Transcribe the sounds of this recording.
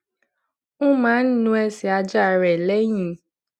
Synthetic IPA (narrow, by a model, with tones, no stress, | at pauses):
ũ˦mã˨˦n̩˦nũ˧˦ɛ˧si˨a˧d͡ʒa˦˨ɾɛ˨lɛ˦j̃ĩ˧˦